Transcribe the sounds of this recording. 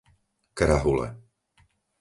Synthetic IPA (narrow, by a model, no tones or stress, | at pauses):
kɾaɦulɛ̰